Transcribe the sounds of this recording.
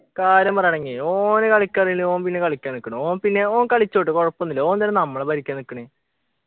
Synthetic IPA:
kaːɾjɐmpɐrjaːɳeŋɡioːnɨkɐɭikʲːɐriŋiloːnpinːe̞kɐɭikʲːaːnikːɐɳɨoːmpinːe̞oːŋkɐɭit͡ɕːoːʈːɨkoɻɐpːonːilːoːnd̪elɐnɐmːɐɭebɐɾikʲːaːnikːɐɳe

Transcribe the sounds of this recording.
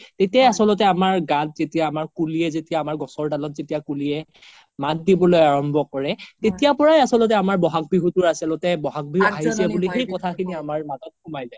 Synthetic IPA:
tetijajasɔlɔt̬ɛamaɹɡat̚zetijaːmaɹkuliɛzetijaːmaɹɡɔ̃sɔɹdalɔt̚zetijakuliɛ | mat̚dibɔlojaɹɔmbʱɔkɔɹɛtetijapɔɹajasɔlɔt̬ɛamaɹbɔɦak̚biɦutʊɹasɛlɔtɛbɔɦak̚biuaɦizɛbulixejkɔtʰakʰiniamaɹmatɔt̚kʰʊmajzaj

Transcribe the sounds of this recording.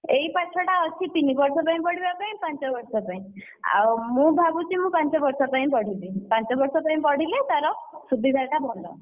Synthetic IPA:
eipat͡ʃʰɔʈaɔt͡ʃʰit̪inibɔɾsɔpaĩpɔɽ̤ibapaĩpãnt͡ʃɔbɔɾsɔpaĩ | a̰wmũbʱabut͡ʃimũpãnt͡ʃɔbɔɾsɔpaĩpɔɽ̤ibipant͡ʃɔbɔɾsɔpaĩpɔɽ̤ilet̪aɾɔsubʱid̪ʱaʈabʱɔnɖɔ̰

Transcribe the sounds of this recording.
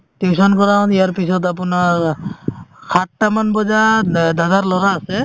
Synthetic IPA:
tisɔnkɔɹaʊ̃nijaɹpisɔtapuna | kʰatːamanbɔzadazaɹlɔɹaːsɛ

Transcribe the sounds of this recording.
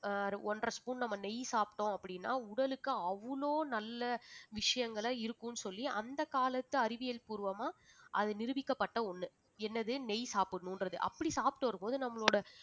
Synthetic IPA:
ɾɔndrɐspuːnnɐmːɐnɛjsaːpʈːõːɐpːɐɽɪnːa̰ːʊɽɐlɯkːɯɐʋːɐloːnɐlːɐʋɪʂɐjɐŋɡɐɭɐɪɾɯkːɯ̃nɯsɔlːiʔɐnd̪ɐkaːlɐt̪ːɯɐɾɪʋɪjɐlpʊɾɯʋɐmaːʔɐðɯnɪɾɯʋɪkːɐpːɐʈːɐɔnːɯ | ɛnːɐðɯnɛjsaːpɯnuːndrɾɐðɯʔɐ̰pːɐɽisaːpʈːɐʋɐɾɯmpoːðɯnɐmːɐɭoːɽɐ

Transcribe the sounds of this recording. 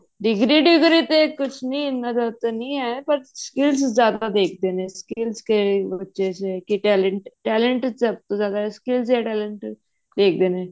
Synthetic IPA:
ɖɪɡɾiːɖiɡɾit̪ekʊt͡ʃʰnĩɪnːad͡ʒat̪enĩapəɾskɪlszaːd̪ad̪eːkʰd̪eːneskɪlskebətːʃet͡ʃekiʈɛːləɳʈʈɛːleɳʈsɐb̚t̪ozjaːd̪aeskɪlzɦɛʈɛːləɳʈ | d̪eːk̚ʰd̪eːnẽː

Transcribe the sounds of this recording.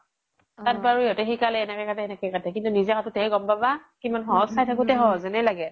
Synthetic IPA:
tat̚baɹujɔtɛxikalɛːnɛkɛkatɛɛnɛkɛkatʰɛkintunizɛkʰatʊtʰɛjɡɔmbabakimanxɔɦɔsʰajtʰakʊtɛɦɔzɛnɛlaɡɛ

